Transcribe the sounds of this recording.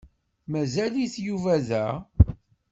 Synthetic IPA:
mæzæliθjuvæðæ

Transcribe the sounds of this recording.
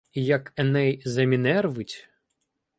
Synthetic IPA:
jɐkɐnɛjzɐmʲinɛrʋɨtʲ

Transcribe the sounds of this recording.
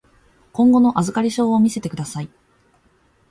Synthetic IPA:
kõ̞ŋɡo̞no̞ʔazɨkaɾʲiɕo̞ːomʲise̞t̪e̞kɯ̟d̪asai

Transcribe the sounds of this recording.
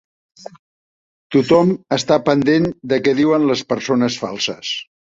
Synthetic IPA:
t̪ut̪ɔməst̪apənd̪end̪əkɛðiwənləspəɾsonəsfa̰lˠsəs

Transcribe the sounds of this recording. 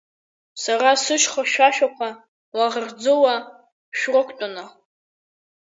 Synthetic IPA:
sarasɨʃχaʃʷᶣaʃᶣakʷʰa | waʁrd͡zowa | ʃᶣrɨkʷʰʼtʼʊna

